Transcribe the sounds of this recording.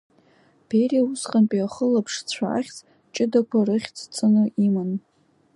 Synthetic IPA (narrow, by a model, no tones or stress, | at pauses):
b̥ʰeriausqʼanpʼiaχəlapʰʂt͡sʷʰa̰a̰χʲt͡sʼ | t͡ʃʼɪdakʷʰaɾɨχʲt͡sʰt͡sʼɨnɨʔiman